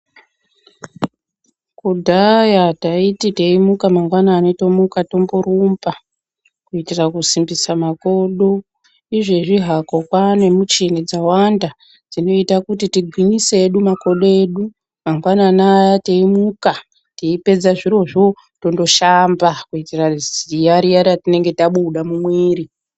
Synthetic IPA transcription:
kudʱajataitite̞imukamaŋɡwanaːneto̞mukato̞mburumba | kuitirakusimbisamako̞ɗo̞ | iʐeʐiɦako̞kwane̞mut͡ʃinid͡zawanda | d͡zino̞itakutitiɡʱwiɲiseːɗumako̞ɗoeɗu | maŋɡwananajateimuka | tiipe̞d͡zaʐiro̞ʐo̞ | to̞ndo̞ʃambakuitirazijaɾijaɾiatine̞ŋɡe̞taɓuɗamumwiːri

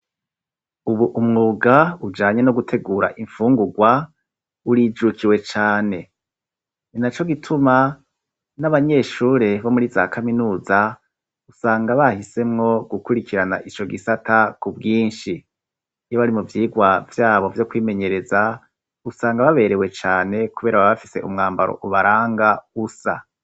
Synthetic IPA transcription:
uβuʔumŋuːɡaud͡ʒaːɲe̞noɡutʰe̞ɡuːɾa̰ʔiɱfuːŋɡuɡwa | uɾid͡ʒukʰiwe̞t͡ʃaːne̞ | ninat͡ʃo̞ɡitʰuma | naβaɲe̞ːʃuːɾe̞βo̞muɾiza̰ːkʰaminuːza | usaːŋɡaβahise̞mŋo̞ɡ̥ukuɾikʰiɾana̰ʔit͡ʃo̞ɡisatʰakub̚ɡiːnʃi | joβaɾimuvjiːɡwavjaːβo̞vjo̞kwiːme̞ɲe̞ɾe̞za | usaːŋɡaβaβe̞ɾe̞we̞t͡ʃaːne̞kuβe̞ːɾaβaβafi̥se̞̰ʔumŋaːmba̰ɾo̰ʔuβaɾaːŋɡausa̰

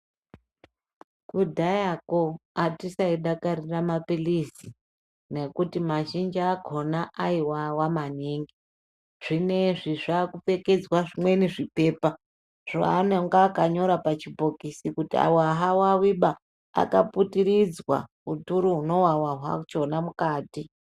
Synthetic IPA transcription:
kudʱajakoatisaiɗakaɾiramapilisi | ne̞kutimaʃind͡ʒːɡʱo̞naʔaiwawamaniːŋɡi | ʐ̥ine̞ʐiʐakufe̞ke̞d͡zwaʐimweniʐipe̞ːpa | ʐ̥a̰aneŋɡaːkaɲo̞ɾapat͡ʃibʱo̞kisikutia̰woaɦawawiɓa | a̰kaputiɾid͡zwa̰ | utuɾuɦuno̞wawaɦwa̰t͡ʃonamukaːti

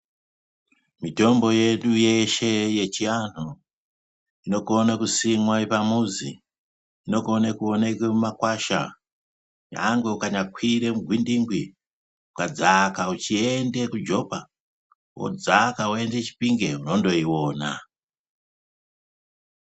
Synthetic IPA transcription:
mito̞mbo̞je̞ɗujeʃe̞je̞t͡ʃian̤o | ino̞konakusimwaepamuzḭː | no̞konakuonekemumakwaʃa | ja̰ŋɡe̞ukaɲakwiɾe̞muɡʱwindiŋɡwi | ukad͡zakaut͡ʃie̞ndekud͡ʒo̞pa | wo̰d͡zakaoe̞nde̞t͡ʃi̥piŋɡe̞uno̞ndo̞iwoːna̰

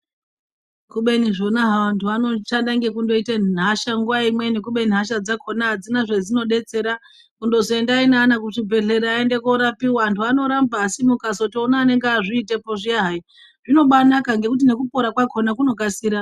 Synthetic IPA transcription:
kuɓe̞niʐo̞naɦaʋantʰuano̞ʃandaŋɡe̞kundo̞itenɦaʃaŋɡuʋaimwe̞nikuɓe̞n̤ɦaʃ̬ad͡zakʰo̞naɦad͡zinaʐed͡zino̞ɗe̞t͡se̞ɾa | kundo̞zoe̞ndainanakuʂibʱe̞ɮe̞ɾeaende̞koɾapiwaantuano̞ɾambaːsimukasotionaːne̞ŋɡaʐiːtepoʐiaɦai | ʐino̞ɓanakaŋɡe̞kut̬ine̞kupo̞ɾakwakʰo̞nakuno̞kasiɾa

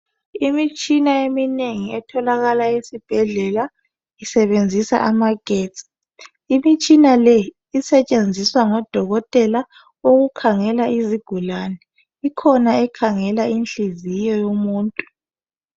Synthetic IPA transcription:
imit͡ʃʼinaemineŋiɛtʰɔlaɣalaesib̥ʱɛɮɛla | isɛβend͡zʱisa̰ʔamaɡ̥ʱɛːtʼ | imit͡ʃʼinalɛ | isɛt͡ʃʼend͡zʱiswaŋɔd̥ʱɔɣɔtʼɛla | oɣukʰaŋɛlaiziɡ̥ʱulaːnɛ | ikʰɔnaɛkʰaŋɛlainɬizijɔjomuːntʼu̥

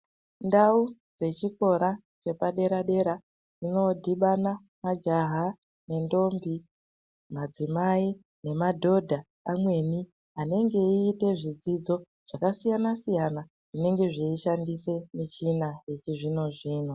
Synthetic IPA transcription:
ndaud͡ze̞t͡ʃiko̞ɾa | t͡ʃe̞paɗe̞ɾaɗe̞ɾa | d͡zino̞dʱiɓana | mad͡ʒaɦa | ne̞ndo̞mbi | mad͡zimai | ne̞madʱo̞dʱa | amwe̞ni | ane̞ŋɡe̞iːte̞ʐid͡zid͡zo̞ | ʐ̥akasijanasijana | ʐine̞ŋɡe̞ʐiiʃandise̞mit͡ʃinajet͡ʃiʐino̞ʐiːno̞

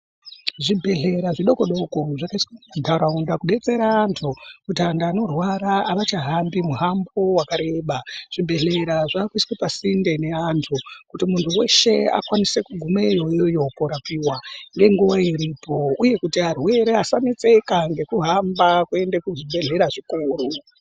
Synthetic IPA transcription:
ʐibʱe̞ɮe̞ɾaʐiɗo̞koɗo̞ko̞ʐakaiskamadʱauɾaundakuɓe̞t͡se̞ɾaːntʰukutiandaːno̞rwaɾaːʋat͡ʃaɦambimuɦambowakaɾe̞ɓaʐ̥ibʱe̞ɮe̞ɾaʐaːkuiskwipasinde̞ne̞antʰukutimuntʰuwe̞ʃe̞a̰kwanisekuɡʱumejojojo̞poɾapiwaŋɡe̞ŋɡuwaiɾipo̞uje̞kutiɦarwe̞ɾeasanet͡se̞kaŋɡe̞kuɦambakue̞ndekuʐibʱe̞ɮe̞ɾaʐikuːru

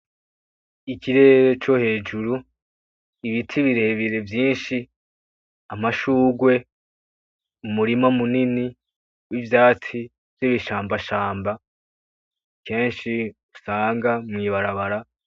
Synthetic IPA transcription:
ikiɾe̞ːɾe̞t͡ʃo̞he̞ːd͡ʒuɾu | iβitʰiβiɾe̞βiɾe̞vjiːnʃi | amaʃuːɡwe̞ | umuɾimamunini | wivjaːt͡si | vjiβiʃaːmbaʃaːmba | kʰe̞ːnʃiusaːŋɡamŋiːβaɾaβaɾa

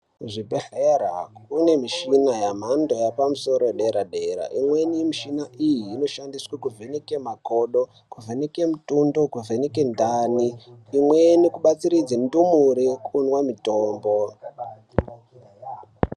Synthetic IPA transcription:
uʐibʱeɬeɾa̰une̞miʃinajam̤ando̞japamuso̞ɾoɗe̞ɾaɗe̞ɾa̰ʔimwenimiʃinaʔijiːno̞ʃandiswakuvʱenekemakoɗo̞ | kuvʱeneke̞mutundo̞kuvʱeneke̞ndaniːmwenikuɓat͡siɾid͡zendumuɾekunwamitoːmbo

